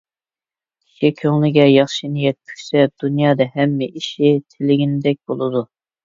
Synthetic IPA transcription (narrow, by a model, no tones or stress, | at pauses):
i̥ʃikʲʰøŋlɪɡʲɛjɑχʃinijɛt̪̚kʲʰy̥ʃsɛd̪̥unjɑːd̪ɛhɛmːɪʔiʃit̪ʰelɪɡʲinɪd̪ɛk̚ʲb̥olˠɨd̪u